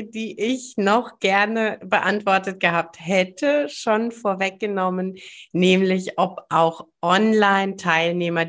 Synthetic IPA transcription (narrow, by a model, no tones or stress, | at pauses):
d̥iːʔɪçnɔχɡ̥ɛɐnəbəʔantv̥ɔɐtət̚ɡ̥əhaːp̚thɛtʰəʃoːnfoːɐvɛk̚ɡ̥ənɔmənːɛːmlɪçʔɔpʔaʊxʔɔnlaɪntʰaɪlneːmɐ